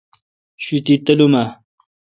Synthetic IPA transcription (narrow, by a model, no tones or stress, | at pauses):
ɕut̪it̪ɐluma